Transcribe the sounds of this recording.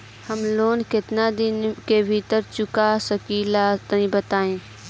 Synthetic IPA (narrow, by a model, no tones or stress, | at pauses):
həmloːnkɪt̪nad̪ɪnkebʱiːt̪əɾt͡ʃʊkasəkiːlat̪ĩbət̪aːẽː